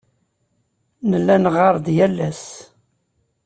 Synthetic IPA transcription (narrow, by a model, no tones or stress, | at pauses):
nəlːænʁɑɾˤd̪jælːæs